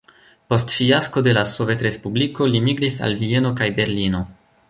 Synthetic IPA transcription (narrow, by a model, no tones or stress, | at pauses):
po̞stfiasko̞de̞lasove̞tɾe̞spubliko̞limiɡɾisa̰lvie̞no̞kajbe̞ɾlino̞